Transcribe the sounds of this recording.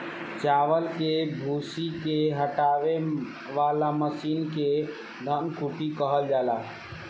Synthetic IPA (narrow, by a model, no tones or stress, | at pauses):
t͡ʃaʋəlkebʱusikeɦəʈaʋe | ʋalaməsiːnke | d̪ʱənkʰuʈikəɦəld͡ʒala